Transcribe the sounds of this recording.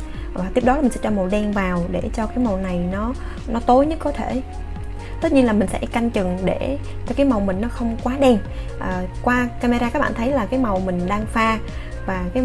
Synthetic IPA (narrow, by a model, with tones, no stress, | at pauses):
aː˨˩t̪i˦˥əp̚ɗɔ˨˦lːmi˨˩ŋsɛ̰˧˦t͡ɕɔ˧mo˨˩ɗɛ˧˩nvaː˨˩wɗe˧˩t͡ɕɔ˧kaː˨˦jmə˨˩wna˨˩jnɔ˨˦ | nɔ˨˦t̪o˨˦jɲɨ˦˥k̚kːɔ˨˦t̪ʰe˧˩˨ | t̪ə˦˥t̚ɲi˧nlaː˨˩mï˨˩sɛ̰˧˥ka˧jŋ̟t͡ɕɨ˨˩ŋɗe˧˩ | t͡ɕɔ˧kaː˨˦jma˨˩wmï˨˩ŋ̟nɔ˨˦xə˧wŋ͡mkwaː˨˦ɗɛ˧n | ʔəː˨˩kwaː˧kaː˧ma˧ɾaː˧kaː˧˦˥k̚ɓa̰ː˧˨t̪ʰə˨˦jlaː˨˩kaː˨˦jma˨˩wmï˨˩ŋ̟ɗaː˧ŋfaː˧ | vaː˨˩kaː˨˦